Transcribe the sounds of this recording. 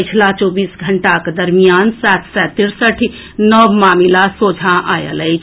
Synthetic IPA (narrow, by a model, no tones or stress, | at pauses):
ət͡ʃʰlat͡ʃobiːsɡʱəɳʈaked̪əɾmijaːnsat̪ʰsɛt̪iɾsəʈʰ | nəwmaːmilasoːd͡ʒʱãʔajə̰ləjt͡ʃʰ